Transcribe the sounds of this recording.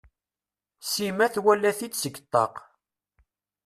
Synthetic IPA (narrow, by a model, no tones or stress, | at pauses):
simæθwælːæθit͡sːsəɡt̪ˤːɑ̰q